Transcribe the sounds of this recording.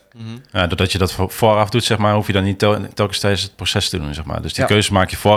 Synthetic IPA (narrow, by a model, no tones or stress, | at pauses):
jadɔdɔtjədɔtfoɾɑfdutsɛχmaːrɦufjədɔnːittɛlˠkəstɛjsət̚prosɛstədunzɛxma̰ːɹdøsdikøɥzəmaːkjəfʊː